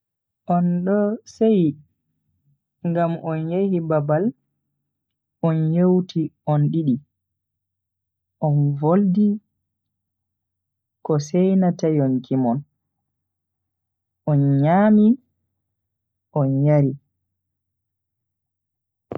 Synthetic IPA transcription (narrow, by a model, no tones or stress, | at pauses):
ʔɔnɗɔsej | ŋɡamɔnjehibabal | ʔɔnjewtʰiɔnɗiɗi | ʔɔnvoldi | kɔsɛjnatajɔnkʰimɔn | ʔɔnɲaːmi | ʔɔnjaɾi